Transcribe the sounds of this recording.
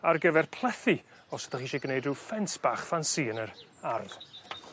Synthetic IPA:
arɡəvɛrpʰlˠɛθi | ɔsə̥t̪ʰaχiʃeɡnejduːfɛnsb̥aːχfansiːənəɾarð

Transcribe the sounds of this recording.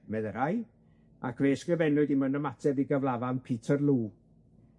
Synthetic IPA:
mɛðəɾaj | a̰kʰveːskrɪvɛnʊɨdimənəmatʰɛviɡəvlˠavanpʰitʰərlˠuː

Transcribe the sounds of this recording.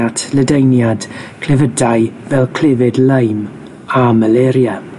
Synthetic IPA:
atʰlədejnjadkʰl̥ɛvədajvɛlˠkʰl̥ɪvɪdləjm | aməlɛɾjə

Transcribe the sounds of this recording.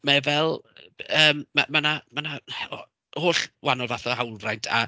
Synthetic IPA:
mɛvɛlˠəːmːa̰manamanahɔ | hoːɬwanɔlˠvaθɔɦawlˠrajntʰa̰

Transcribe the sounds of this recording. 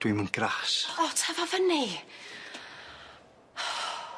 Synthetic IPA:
d̥wimunɡ̥ɾasɔtʰavavəni

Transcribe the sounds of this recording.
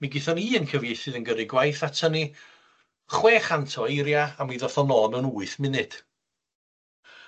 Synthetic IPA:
miɡɪθɔniːənkʰəvjejθɨðənɡəɾɪɡwajθatʰəni | χweːχantʰɔejɾjaamiðɔθɔnɔːnənuːɨθmɪnɨd̥

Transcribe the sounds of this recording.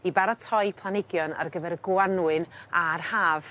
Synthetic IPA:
ibaɾɔtʰɔɨpʰlˠanɪɡjɔna̰rɡəvɛɾɡwanwɨnarhaːv̥

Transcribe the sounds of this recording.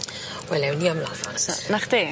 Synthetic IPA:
wɛlɛwniːamlɔfanaχd̥̪eː

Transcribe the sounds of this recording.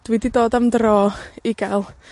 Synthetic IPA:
d̥wididoːdamdrɔːɪɡalˠ

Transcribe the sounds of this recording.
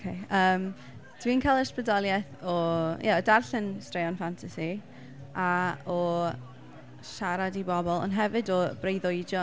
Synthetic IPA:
okʰeəːm | d̥wiːnkʰaːlˠəsprədɔlˠjɛθɔjʔɛdarɬɨnstrejɔnfantʰasi | aɔ | ʃaɾadibɔbɔlˠɔ̰nɦɛvɨdɔb̥rejðoɨd͡ʒɔ

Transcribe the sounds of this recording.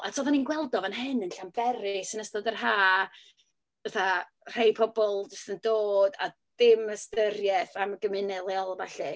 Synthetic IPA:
a̰tʰoːðaninɡwɛlˠdɔvənɦɨnənɬambɛɾɪsənəstɔdərɦaː | əθa | r̥ejpʰɔbɔlˠdɪsθəndoːda | d̥ɪməstərjɛθamɡəmɨnɛlˠjɔlˠvaɬɛ

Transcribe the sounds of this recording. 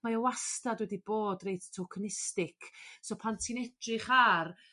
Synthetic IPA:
maəwastadwɛdiboːdrejttʰɔkʰənɪstɪkʰsopʰantʰinɛd̥rɪχar

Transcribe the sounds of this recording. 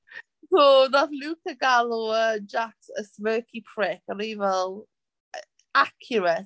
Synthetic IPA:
soðaθluːkəɡaloəd͡ʒaksəsmɜːkʰipʰɹɪkəɾiːvəlˠ | akʰjəɹət

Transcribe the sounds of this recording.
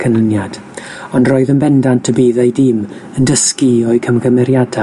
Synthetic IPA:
kʰənənjad̥ | ɔndroːɨðənbɛndantʰəbiːðajdɪm | əndəskiɔɨkʰəmɡəmɛɾjada

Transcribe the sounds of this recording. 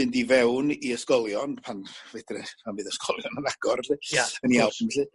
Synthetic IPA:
ɨndivɛwniəskɔlˠjɔnpʰanved̥rɛpʰanvɨðəskɔlˠjɔnənaɡ̥ɔrɬɨjəniawbʰnɛɬɨ

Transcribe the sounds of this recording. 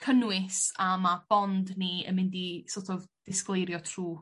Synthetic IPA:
kʰənwɪsamab̥ɔndniə̰nmɪndisotʰɔvd̥ɪsklˠejɾjɔtʰruː

